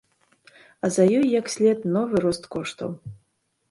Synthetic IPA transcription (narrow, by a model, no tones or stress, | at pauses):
ɐzɐjɔjːɐksʲlʲɛt̪nɔvɨɾɔst̪kɔʂt̪ɐ̰w